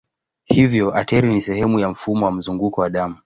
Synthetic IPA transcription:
hivjɔʔatɛɾinisɛhɛmujam̩fumɔwam̩zuŋɡukɔwaɗamu

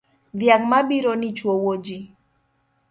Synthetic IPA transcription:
ðjak̚maɓiɾɔnit͡ʃwɔwod͡ʒi

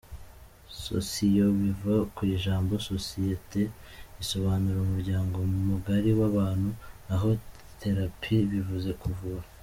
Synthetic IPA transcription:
so̞̰sijo̞βivakwiʒaːmbo̞sosijete̞ | iso̞βaːnuɾaumuɾɟaːŋɡo̞mumuɡaɾiwaβaːn̥hunaɦo̞ | tʰe̞ɾapʰiβivuze̞kuvuβa

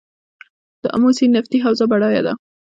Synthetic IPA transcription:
d̪̥əʔa̰mosinaft̪iɦawzabaɽɑja̰d̪a̰

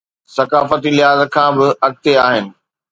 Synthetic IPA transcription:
sɐkaːfət̪ilɪɦaːzəkʰãːbɪɐɽ̚t̪eaːɦɪnɪ̆

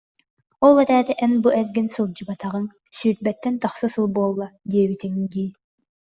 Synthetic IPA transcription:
ɔlˠɛɾæːt̪ɛʔɛnbuʔɛlɡinsɯlˠd͡ʑɯbɑt̪ʰɑʁɯŋ | syːɾ̚bɛt̪ːɛnt̪ɑχsɯsɯlˠbuːlˠːɑd̪iɛbit̪iŋd̪iː

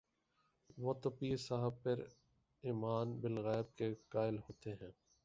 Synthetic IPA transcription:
ʋot̪ʊpiːsaɦəb̚pɐɾ | iːmaːnbɪlɣɛːɪb̚kekaːɪlɦoːt̪eɦɛ̃ː

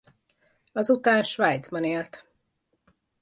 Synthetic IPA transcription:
ɒzut̪aːnʃʋaːjt̪zbɒneːlt̪

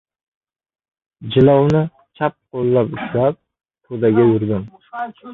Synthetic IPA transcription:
d͡ʒɪlɒwnɪ | t͡ʃʰap̚qolːapʊʃlap̚ | t̪ʰod̪aɡʲaʊɾd̪ɪm

